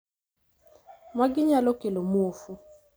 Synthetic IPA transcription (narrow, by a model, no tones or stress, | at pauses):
maɡɪɲalokelomuofu